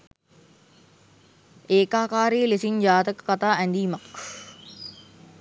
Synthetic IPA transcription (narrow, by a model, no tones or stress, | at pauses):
eːkaːkaːɾejəlesind͡ʒaːt̪əkə̥kat̪aːʔænd̪iːmak